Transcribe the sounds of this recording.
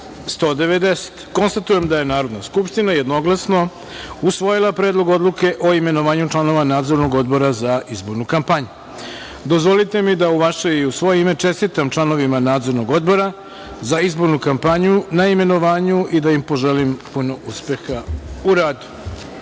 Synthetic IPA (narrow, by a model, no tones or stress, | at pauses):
st̪o̞ːd̪e̞ʋe̞d̪e̞se̥t̪ko̞nst̪at̪uje̞md̪aje̞naːɾo̞d̪naskupʃt̪inaje̞d̪no̞ɡlˠasno̞ | usʋo̞jilˠapɾeːd̪lˠo̞ɡo̞d̪lˠuke̞ʔo̞ime̞no̞ʋaːɲut͡ʃlˠano̞ʋanaːd̪zo̞ɾno̞ɡo̞d̪̚bo̞ɾazaʔizbo̞ɾnukampaɲu | d̪o̞zʋo̞lit̪e̞mid̪auʋaʃe̞iusʋo̞jeime̞t͡ʃe̞st̪it̪amt͡ʃlˠano̞ʋimanaːd̪zo̞ɾno̞ɡo̞d̪̚bo̞ɾa | zaizbo̞ɾnukampaɲunaime̞no̞ʋaːɲuʔid̪ajimpo̞ʒe̞limpuno̞uspe̞xauɾaːd̪u̥